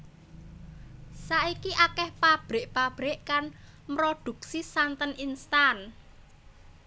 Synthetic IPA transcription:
saʔikiʔakɛhpab̥ɾe̤ʔpab̥ɾeʔkan | mɾod̪̥ṳk̚sisant̪əninst̪an

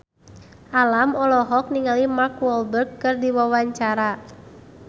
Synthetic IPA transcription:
ʔalamɔlɔɦɔk̚niŋalimakwɔlbərɡkːɨrdiwawaɲt͡ʃaɾa

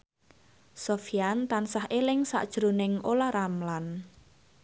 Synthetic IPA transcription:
sofijant̪ansahʔelɪŋsa̰ʔd̥ʒ̥ɾonɪŋolaɾamlan

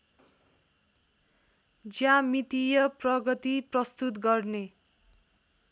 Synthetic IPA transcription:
d͡zjãmit̪ijʌprʌɡʌt̪iprʌst̪ut̪ɡʌrne

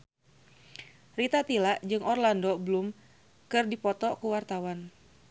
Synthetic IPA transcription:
rit̪at̪ilaʔd͡ʒɨŋɔrlandɔbəlum | kɨrdipɔt̪ɔkuwart̪awan

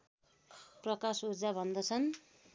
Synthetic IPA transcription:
prʌkasud͡zabʱʌnd̪ʌt͡sʰʌn

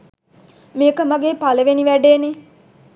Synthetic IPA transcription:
meːkəməɡeːpaləʋeniʋæɖeːne

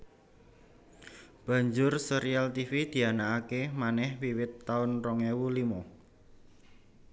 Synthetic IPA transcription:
b̥ä̤ɲd͡ʒʊrsəɾialt̪ifid̪̥i̤anaakemanɛhwiwɪt̪ːaʊnrɔŋewulimɔ

